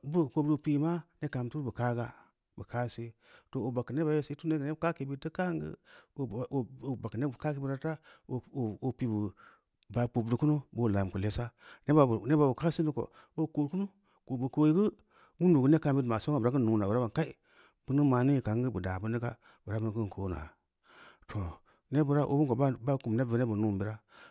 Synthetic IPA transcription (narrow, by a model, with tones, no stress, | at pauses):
bu˦˨ko˨bɾu˦˨pi˦ma˦ne˦ka˨m˨tu˦bə˨ka˦ɡa˦ | bə˨ka˦se˦ | to˨o˨ba˨kːə˨ne˦ba˨˦je˦se˨˦tu˦ne˦˨e˦˨ka˦ke˨bi˦tə˦ka˦ŋɡə̰˦˨ | ba˨kːə˨ne˦˨ka˦ke˨˦bi˦ɾa˦ta˦˨ | o˨pi˨bu˨ | ba˨po˨bdu˨ku˦nu˦bo˦˨la˨m˨ku˨le˦sa˦ne˦ba˨bu˨ne˦ba˨bu˨ka˦si˦ni˦ko̰˨ | o˦ko˨ɾku˦nu˦ | ko˨bu˨ko˨ji˦ɡə˦ | wu˦ndu˨ɡu˦ne˦ka˨˦m˦bi˦tma˨so˦ŋa˨bu˨ɾa˦kɨ˦nu˨na˨bu˨ɾa˦ba˨ka˦i˦ | b̥u˦nɨ˦ma˨ni˦˨ka˨˦ŋ˦ɡɨ˦bu˨da˨bu˦ni˦ka˦ | bɾa˦bu˦n˨˦kɨ˦n˨kʰo˨˦na̰˨ | tʰo˨ | ne˦bu˨ɾa˦ʔo̰˦bu˦ŋko˨ba˦ba˦ku˨m˨ne˦və˨ne˦bu˨nu˦m˨bi˨ɾa˦